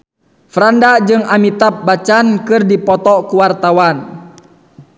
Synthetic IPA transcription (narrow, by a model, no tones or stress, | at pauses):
fɾandad͡ʒɨŋamit̪ap̚bat͡ʃankɨrdipɔt̪ɔkuwart̪awan